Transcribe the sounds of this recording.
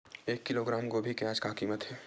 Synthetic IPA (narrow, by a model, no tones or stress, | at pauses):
eːkːɪloːɡɾaːmkobʱikejaːd͡ʒkakiːmət̪ɦɛː